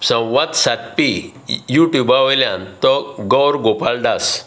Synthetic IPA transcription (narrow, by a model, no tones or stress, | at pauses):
sə̃wʋat̪sat̪̚pi | juʈjubaʋɔjljãnt̪ɔɡɔwɾɡopalɖas